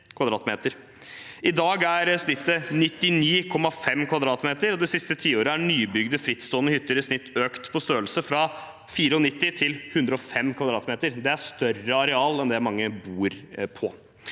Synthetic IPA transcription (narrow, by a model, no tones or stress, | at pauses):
kʰʋɑd̪ɾɑːt̪meːt̪əɾ | ʔɪd̪ɑːɡæɾsnɪt̪ːənɪt̪ːɪniːkʰɔmːɑfɛmːkʰʋɑd̪ɾɑːt̪meːt̪əɾɔd̪ɛsɪst̪ət̪ʰiːoːɾəæɳyːbʏɡd̪əfɾɪt̪ːst̪oːənəhʏt̪ːəɾəsnɪt̪ːøːkt̪pʰɔst̪øːəlsəfɾɑ | fiːɾəɔnɪt̪ːɪt̪ʰɪlhʉnd̪ɾəɔfɛmːkʰʋɑd̪ɾɑːt̪meːt̪əɾd̪ɛæʂt̪œrəɑɾɛɑːlɛnd̪ɛmɑŋːəbuːɾpʰɔ